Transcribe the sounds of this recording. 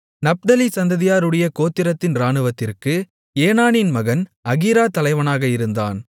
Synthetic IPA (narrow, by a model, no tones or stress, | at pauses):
nɐp̚d̪ɐlisɐnd̪ɐðɪjaːɾɯɽɐjɐkoːt̪ːɪɾɐt̪ːɪnɾaːɳɯʋɐt̪ːɪrkɯ | eːnaːnɪnmɐɣɐnɐɣiːɾaːt̪ɐlɐɪʋɐnaːɣɐɪɾɯnd̪a̰ːn